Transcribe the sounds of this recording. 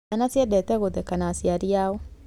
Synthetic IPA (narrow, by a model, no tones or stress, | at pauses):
anasiɛdɛt̪ɛɣod̪ɛkanasiaɾiaɔ